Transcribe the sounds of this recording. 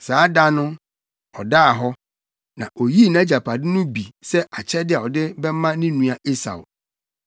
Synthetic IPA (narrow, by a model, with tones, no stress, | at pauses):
saː˨˦da˦nʊ̃˦ | ɔ˨da˦a˨ɦɔ˦ | nã̰˨ʔo˨ji˦˨nã˦d͡ʑa˨pʰa˨dɪ˦nʊ̃˦bi˨sɛ˦ʔa˨t͡ɕʰɛ˦dɪ˦a˨ɔ˨dɪ˦bɛ˦mã˦nĩ˦nũ˨a˨e˦sa̰˨w̰